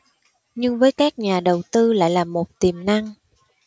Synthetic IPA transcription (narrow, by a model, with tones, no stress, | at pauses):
ɲɨ˧ŋvəː˨˦jkaː˦˥k̚ɲaː˨˩ɗə˨˩wt̪ɨ˧la̰ː˧˨jlaː˨˩mo˨˩t̚t̪i˨˩mna˧ŋ